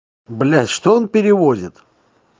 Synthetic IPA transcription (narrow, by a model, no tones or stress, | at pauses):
blʲæsʲʂt̪oonpʲɪɾʲɪvozʲɪt̪